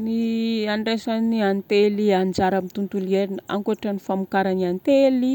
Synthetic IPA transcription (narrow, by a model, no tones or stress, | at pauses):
niaɳɖ͡ʐesaniant̪eliand͡ʒaɾamit̪unt̪ulieɾinəa̰ŋkuaʈ͡ʂanifamukaɾaniant̪eli